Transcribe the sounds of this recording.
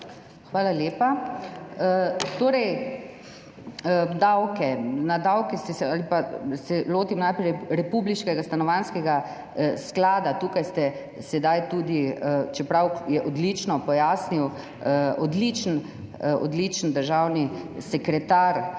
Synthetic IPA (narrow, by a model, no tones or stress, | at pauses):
xʋaːlaljeːpa | ət̪oːɾɛj | d̪awkɛnad̪awkɛst̪ɛsɛalipasɛloːt̪imnajpɾɛjɾɛpubliʃkɛɡast̪anɔʋanskɛɡa | sklaːd̪at̪uːkajst̪ɛ | sɛd̪ajt̪ud̪it͡ʃɛpɾawjɛʔɔd̪lit͡ʃnɔpɔjaːsniw | ɔd̪lit͡ʃən | ɔ̰d̪lit͡ʃənd̪əɾʒawnisɛkɾɛt̪aɾ